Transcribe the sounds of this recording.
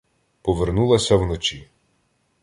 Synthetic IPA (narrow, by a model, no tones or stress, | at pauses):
pɔʋernulˠɐsʲɐwnɔt͡ʃi